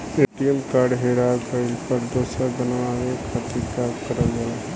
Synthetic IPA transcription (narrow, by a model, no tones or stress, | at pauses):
eːʈijəmkaːɾɖɦeːɽakəɪlpəɾd̪əsabənʋaːɾekʰat̪ikakəɾəle